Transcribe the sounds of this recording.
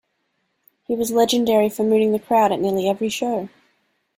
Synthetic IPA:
hiwʌzlɛd͡ʒɨ̃ndɛɹifə˞mʉɾɪ̃ŋðɨkʰɹ̥aʊɾɨʔⁿnɪɹlˠiɛvɹiʃoʊ

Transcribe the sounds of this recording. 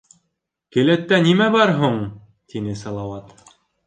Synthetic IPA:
kɘ̆læt̪ːænimæbɑɾɦuɴ | t̪inɘsɑlˠɑwɑt̪

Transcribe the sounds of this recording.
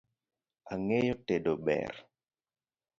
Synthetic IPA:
aŋejɔtedoɓɛ̰ɾ

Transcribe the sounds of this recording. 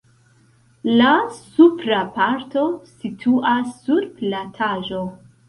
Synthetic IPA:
lasupɾapaɾto̞sitʰuʔasːuɾplatʰaʒo̞

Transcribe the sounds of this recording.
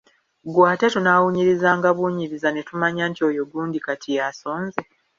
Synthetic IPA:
ɡwaːte̞tunaːwuɲiɾizaːŋɡaβuːɲiɾizane̞tumaɲaːntio̞joɡuːndikatʰijaso̞ːnze

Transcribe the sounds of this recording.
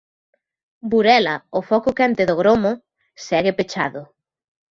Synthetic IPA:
buɾɛlɐʊfɔkʊkant̪eðoɣɾomʊ | sɛɣepet͡ʃaðʊ

